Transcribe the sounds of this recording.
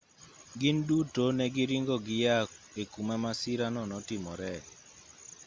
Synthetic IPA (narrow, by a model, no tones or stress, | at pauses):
ɡɪndutonɛɡɪɾiŋɡɔɡɪjak | ekumɛmasiɾanɔnɔtɪmɔɾɛ